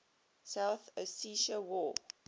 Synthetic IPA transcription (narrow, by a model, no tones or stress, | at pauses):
saʊθəsiʃəwɔ